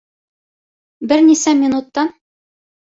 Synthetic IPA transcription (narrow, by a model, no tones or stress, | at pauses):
bɘɾnisæmʲɪnut̪ːɑn